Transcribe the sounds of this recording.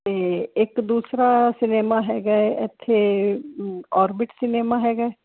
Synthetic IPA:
t̪eːɪkd̪uːsɾaːsɪneːmaːɦɛːɡaːɛʔɪt̪ʰːeː | ɔːɾbɪʈsɪneːmaːɦɛːɡaɛː

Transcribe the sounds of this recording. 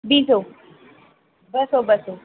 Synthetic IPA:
biːso | bɐsobɐso

